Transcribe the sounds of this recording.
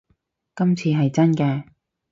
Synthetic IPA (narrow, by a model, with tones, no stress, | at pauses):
kɐ˥mt͡sʰiː˧ɦɐ˨jt͡sɐ˥nkɛː˧